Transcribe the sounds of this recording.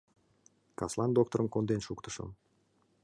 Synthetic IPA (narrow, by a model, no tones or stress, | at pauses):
kaslˠand̪ok̚t̪oɾɯŋkond̪enʃukt̪ʰu̥ʃo̰m